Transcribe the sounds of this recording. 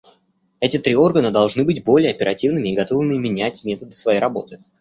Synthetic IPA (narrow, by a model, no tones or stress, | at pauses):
ɛtʲɪt̪ɾʲio̞rɡənəd̪ɐlˠʐnɨbɨdʲbo̞lʲɪjəɐpʲɪɾɐtʲivnɨmʲɪːɡɐt̪o̞vɨmʲɪmʲɪnʲætʲmʲet̪əd̪ɨsvɐjejɾɐbo̞t̪ɨ